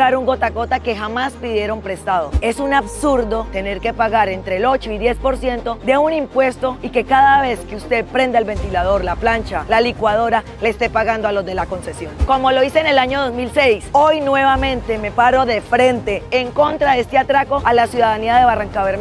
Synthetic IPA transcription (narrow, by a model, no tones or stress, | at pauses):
aɾuŋɡo̞t̪ako̞t̪ake̞xamaspiðje̞ɾo̞mpɾe̞st̪aðoe̞sunaβsuɾd̪o̞t̪e̞ne̞ɾke̞paɣaɾe̞nt̪ɾe̞lo̞t͡ʃo̞iðje̞spo̞ɾsje̞nt̪o̞d̪e̞unimpwe̞st̪o̞ike̞kaðaβe̞skeust̪e̞ðpɾe̞nd̪aelβe̞nt̪ilað̞o̞ɾlaplant͡ʃalalikwað̞o̞ɾa | leːst̪e̞paɣand̪oalo̞zd̪e̞lako̞nse̞sjo̞nko̞mo̞lo̞isene̞laɲo̞ð̞o̞zmilse̞jso̞jnwe̞βamẽ̞nt̪e̞me̞paɾo̞ðe̞fɾe̞nt̪e̞ːŋko̞nt̪ɾaðest̪eat̪ɾako̞ʔalasjuðaðaniaðe̞βaraŋkaβeɾn